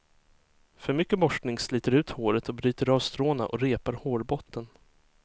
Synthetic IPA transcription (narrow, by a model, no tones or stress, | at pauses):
fœɾmʏkːəbɔʂknɪŋslyːt̪əɾʉ̟ːt̪hoːɾət̪ʰɔbɾyːt̪əɾɑːvst̪ɾoːna̰ʔɔɾeːpaɾhoːɾbɔt̪ʰːən